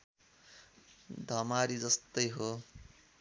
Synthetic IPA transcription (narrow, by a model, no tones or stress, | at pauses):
d̪ʱʌmaɾid͡zʌst̪ʌjɦo